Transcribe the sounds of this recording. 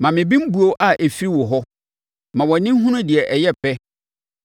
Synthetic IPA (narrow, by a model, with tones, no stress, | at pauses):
mã˨mɪ̃˨bĩ˦m̩˦bu˦o˦ʔa˦ʔe˨fi˦i˦wʊ˨ɦɔ˦ | mã˨wɔ˨˦nɪ̃˦ɦʊ̃˦nʊ̃˦dɪ˨ɛ˨ʔɛ˨jɛ˦pɛ˦